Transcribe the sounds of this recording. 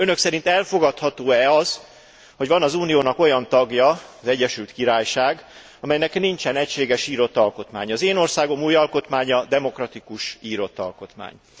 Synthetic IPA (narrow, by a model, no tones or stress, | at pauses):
ønøksɛɾint̪ɛlfo̞ɡɒt̪hɒt̪oːɛɒz | ho̞ɟvɒnɒzuːnijoːnɒko̞jɒnt̪ɒɡjɒɒzɛɟːɛʃylt̪kiɾaːjʃaːɡ | ɒmɛjnɛknint͡ʃɛnɛcʃeːɡɛʃiːɾo̞t̪ːɒlko̞t̪ma̰ːɲɒzeːno̞rsaːɡo̞muːjɒlko̞t̪maːɲɒd̪ɛmo̞krɒt̪ikuʃiːɾo̞t̪ːɒ̰lko̞t̪ma̰ːɲ